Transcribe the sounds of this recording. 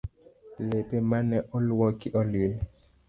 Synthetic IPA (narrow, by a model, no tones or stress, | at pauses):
lepemanɛʔɔlwɔkiʔɔlwil